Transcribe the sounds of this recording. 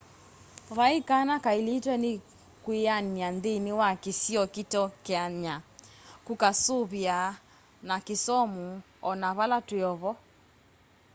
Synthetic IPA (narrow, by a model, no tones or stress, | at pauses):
βaikanakailitwɛni | kwiaɲianðeniwakisiɔkitɔkɛaɲakukasuβja | nakisɔmu | ɔnaβalatwjɔβɔ